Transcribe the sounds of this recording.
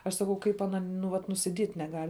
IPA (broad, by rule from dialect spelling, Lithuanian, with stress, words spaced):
ɐʃ sɐˈkɐʊ ˈkɐɪp ɐˈnɐ nʊ ˈʋɐt nʊsʲɪˈdʲiɛtʲ nʲɛˈɡɐlʲ